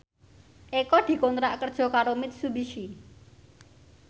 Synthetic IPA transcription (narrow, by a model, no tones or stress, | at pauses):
ʔekɔd̪̥i̤kont̪ɾaʔkərd̥ʒ̥ɔ̤kaɾomɪt̪̚subiʃi